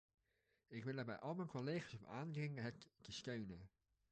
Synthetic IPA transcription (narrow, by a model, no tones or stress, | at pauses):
ɪkʋɪlˠəːbɛ̰jʔɑlˠmɛjnkoleːχaːsɔpa̰ːndrɪŋəɦəttəstøɥnə